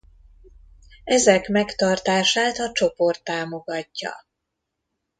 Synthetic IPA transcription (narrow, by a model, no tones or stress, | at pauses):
ɛzɛkmɛkt̪ɒrt̪aːʃaːt̪ɒt͡ʃo̞po̞rt̪ːaːmo̞ɡɒcːɒ̰